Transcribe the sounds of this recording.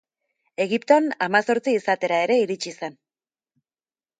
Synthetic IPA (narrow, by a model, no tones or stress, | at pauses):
e̞ɣipt̪oanamaso̞ɾt͡siːsat̪e̞ɾae̞ɾe̞iɾit͡ʃisen